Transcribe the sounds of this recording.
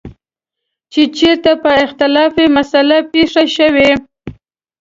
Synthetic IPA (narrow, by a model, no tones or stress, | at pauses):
t͡ʃet͡ʃeɾt̪apəɪxt̪ɪlɑfemasalapeʂaʃəwe